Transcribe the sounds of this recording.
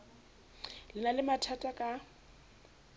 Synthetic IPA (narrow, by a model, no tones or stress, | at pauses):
lɪnalɪmatʰatʼakʼa